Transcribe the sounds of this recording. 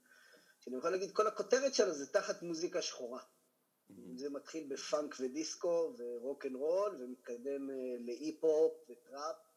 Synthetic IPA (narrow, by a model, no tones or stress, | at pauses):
ʃeanijoχalaɡid̪̚ko̞lako̞t̪eʁet̪ʃelazet̪aχatmuzikaʃχoʁa | imzemat̪χilbefaŋkve̞d̪isko̞ve̞ʁo̞kenʁo̞lvemit̪̚kad̪e̞mle̞ʔipop̚vetʁap̚